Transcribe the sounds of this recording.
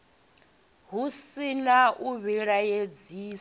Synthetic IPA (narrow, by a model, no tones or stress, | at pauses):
ɦusinaʔuβiɺajed͡ziːs